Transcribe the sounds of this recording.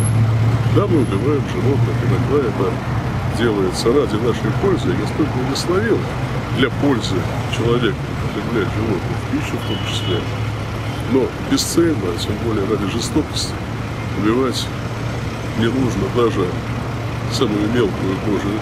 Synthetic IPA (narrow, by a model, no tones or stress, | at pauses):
d̪amɨʊbʲɪvajɪmʐɨnot̪nəkɨnɐɡd̪ajɐt̪a | dʲe̞lˠəjɪt̪səɾadʲɪnaʂəjpo̞lʲzʲɨɡɐst̪olʲkəvɡ̪ʲəst̪nɐvʲilˠə | d̪lʲɐpo̞lʲzɨt͡ɕɪlˠɐvʲekəpɐt̪ɾʲɪvlʲætʲʐɪvok̪ʊfpʲiɕːʊft̪o̞mt͡ɕɪ̥sʲlʲe | no̞ | bʲɪst̪sɛlʲnətʲembo̞lʲɪjəɾadʲɪʐɨst̪o̞kə̥sʲtʲɪ | ʊbʲɪvatʲ | nʲɪnuʐnəd̪aʐɨ | saməjʊmʲe̞lˠkʊjʊk̪oʐɨ